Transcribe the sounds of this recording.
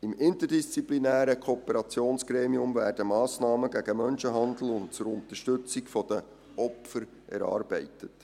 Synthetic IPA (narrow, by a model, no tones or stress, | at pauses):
ɪmɪntədist͡siplinæːɾəkʰoːpəɾɑt͡sjoːnsɡ̥ɾeːmiʊmvæːrd̥əmɑːsnɑːməɡæɡəmœnʃəɦɑnd̪l̩ʊnt̚t͡sʊɾʊnt̪əʃtɵt͡sikfɔd̥ə | ɔpfəɾ | ʔɛ̰ɾɑ̰ːɾbɛɪtət